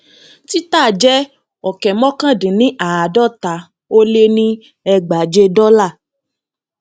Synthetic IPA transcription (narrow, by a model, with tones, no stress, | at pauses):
ti˦taː˦˨d͡ʒɛ˦ | ɔ˨kɛ˨mɔ̃˦kã˦˨dĩ˨nĩ˦ʔa˨a˨dɔ˦˨ta˨˦ | o˦le˦nĩ˦ | ɛ˧ɡ͡ba˨d͡ʒe˧dɔ˦la˦˨